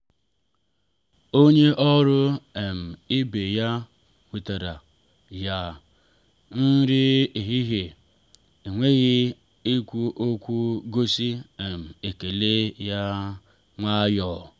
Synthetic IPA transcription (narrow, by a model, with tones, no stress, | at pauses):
o˦ɲe˦ʔɔ˦ɾʊ˦e˨m̩˨i˦be˨ja˦ | kʷu˨ta˨ɾa˨ | ja˨ | n̩˦ɾɪ˦i˨ɦi˦ɦe˨ | i˨ŋʷe˦ɣɪ˦ | i˦kʷu˦ʔo˦kʷu˦ɡo˦si˦e˨m̩˨e˨ke˨le˦ja˦ | ŋʷa˦jɔː˨